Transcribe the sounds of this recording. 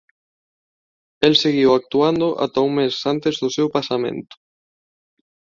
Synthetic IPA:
ɛlseɣiwak̚t̪uand̪ʊʔa̰t̪auŋmesant̪ezðʊsewpasamḛ̃nt̪ʊ̥

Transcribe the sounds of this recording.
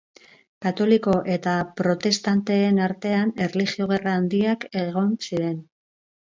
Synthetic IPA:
kat̪o̞liko̞ʔe̞t̪apɾo̞t̪e̞st̪ant̪e̞ːnaɾt̪e̞ane̞rlixio̞ɣ̞eraːnd̪iake̞ɣ̞o̞nsiɾe̞n

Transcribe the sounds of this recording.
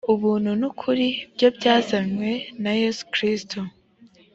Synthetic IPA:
uβuːnhunukʰuɾibjo̞bjaːzaɲwe̞naje̞su̥kɾistʰu

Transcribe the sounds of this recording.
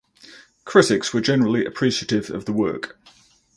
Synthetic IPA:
kʰɹ̥ɪtɪkswəd͡ʒɛnəɹəliʔə̰pʰɹ̥iˑʃətɪvə̰vðəwɜ̰ˑk

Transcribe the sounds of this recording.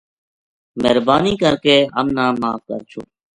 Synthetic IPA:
məɦɾbaːniːkəɾkeːɦəmnaːmaːfkəɾt͡ʃʰoː

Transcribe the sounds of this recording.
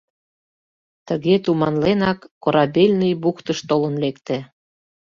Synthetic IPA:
t̪əɣet̪umɑnlenɑkːoɾɑbelʲnəjbukt̪əʃt̪olənlekt̪ĕ

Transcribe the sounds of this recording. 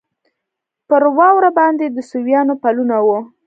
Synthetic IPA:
pəɾwɑwɾabɑnd̪ed̪əsuwjɑnopalunawu

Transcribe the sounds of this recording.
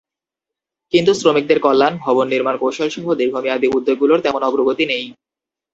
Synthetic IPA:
kint̪usɾomik̚d̪eɾkɔlːanbʱɔbonːiɾmankowʃolʃɔɦod̪iɾbʱomiab̪iud̪ːoɡːuloɾt̪ɛmonɔɡɾoɡot̪inej

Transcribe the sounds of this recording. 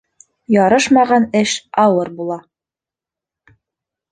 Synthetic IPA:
jɑɾɤʃmɑʁɑnɘʃɑwɤɾbulˠɑ

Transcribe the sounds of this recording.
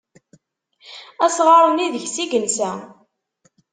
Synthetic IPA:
æsʁɑɾˤniðəʝsiɡənsæ

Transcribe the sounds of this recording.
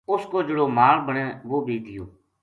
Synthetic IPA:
ʊskoːd͡ʒəɽoːmaːlbəɳɛ̃ːʋoːbiːd̪ɪjoː

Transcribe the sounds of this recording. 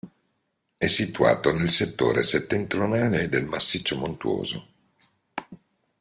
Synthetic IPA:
ɛsːit̪ua̰ːt̪onelset̪ːo̰ːɾḛset̪ːent̪ɾjonaːled̪elmasːit͡ʃːomont̪uo̰ːzo̰

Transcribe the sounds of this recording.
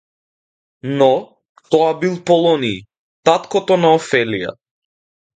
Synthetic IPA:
nɔ | t̪ɔabilˠpɔlˠɔni | t̪at̪kɔt̪ɔnaɔfɛlija̰

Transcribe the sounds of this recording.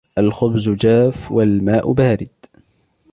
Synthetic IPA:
ʔalxʊbzʊd͡ʒaːfwalmaːʔʊ̰baːɾɪd̪

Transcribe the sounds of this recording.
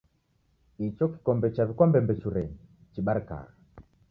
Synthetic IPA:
it͡ʃɔki̥kɔmbɛt͡ʃaβikwambɛmbɛt͡ʃuɾɛɲi | t͡ʃiɓaɾka̰ɣa

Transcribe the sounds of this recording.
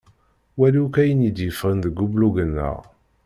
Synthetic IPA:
wælikæjənid̪jəfʁənðəɡːubluɡənːə̰ʁ

